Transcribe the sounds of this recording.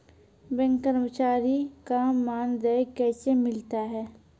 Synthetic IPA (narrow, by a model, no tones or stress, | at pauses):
bɛ̃ŋkəɾmət͡ʃaːɾikamːaːnd̪ɛjkɛːsemɪlt̪aɦɛː